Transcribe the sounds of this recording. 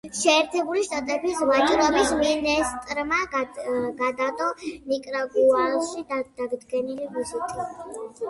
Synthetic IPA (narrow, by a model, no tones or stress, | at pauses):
ʃɛːɾt̪ʰɛbuliʃt̪ʼat̪ʼɛbisvat͡ʃʼɾɔbisminɛst̪ʼɾma | ɡad̪at̪ʼɔnikʼɾaɡualʃid̪d̪̥aɡd̪ɡɛnilivisit̪ʼi